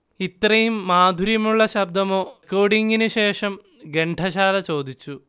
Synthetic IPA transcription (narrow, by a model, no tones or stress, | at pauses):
it̪rɐjumːaːd̪ʱuɾjɐmuɭːɐɕɐb̚d̪ɐmo̞ːkːoːɽiŋɡinɨɕe̞ːʂɐm | ɡe̞ɳɖʰʱɐɕaːlɐt͡ɕo̞ːd̪ʱit͡ɕːu